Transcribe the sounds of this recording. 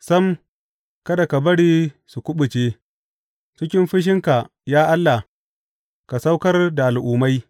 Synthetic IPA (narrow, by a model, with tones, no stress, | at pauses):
sɐ˦m | kɐ˦da˨ka˨bɐ˦ɽiː˦su˨kʷʊ˦ɓʊ˨t͡ʃeː˦ | t͡ʃɪ˦kʲɪ˦mɸɪ˦ʃ̬ɪ˦ŋka˨ | jaː˦ʔa˦lːa˨ | ka˨sa˦wkɐ˦rda˨ʔa˨lʔʊː˨ma˦j